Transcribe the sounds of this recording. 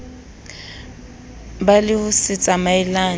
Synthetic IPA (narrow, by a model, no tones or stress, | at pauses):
balɪhʊsɪt͡sʼamaɪlaː